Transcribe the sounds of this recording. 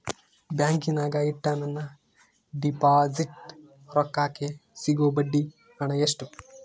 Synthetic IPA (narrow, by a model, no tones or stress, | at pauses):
bjaːŋkinaːɡɐiʈːaːnɐnːɐ | ɖipaːziʈ | ɾɔkːaːkesiɡoːbɐɖːi | kaːɳɐjeʂʈu